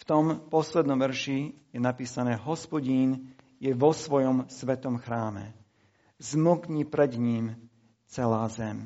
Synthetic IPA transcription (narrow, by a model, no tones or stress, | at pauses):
ft̪ɔmpɔslɛd̪nɔ̃mʋɛɾʃijɛnapiːsanɛːɦɔspɔɟiːnjɛʋɔsʋɔjɔmsʋɛt̪ɔmxɾaːmɛ̰ | zmukɲipɾɛd̪ɲim | t͡sɛlaːzɛm